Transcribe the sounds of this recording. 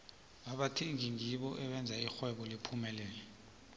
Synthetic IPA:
ɓaɓatʰiŋiŋiɓɔʔɛɓɛnd͡zʱaixwɛɓɔlipʰumɛlɛːnɛ

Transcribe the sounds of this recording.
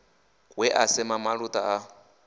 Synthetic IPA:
ɣwɛʔasɪmamaɺutʼaa

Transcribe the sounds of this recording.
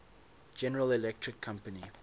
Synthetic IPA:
d͡ʒɛnəɹəlilɛk̚tʰɹɪkʰːãmpəni

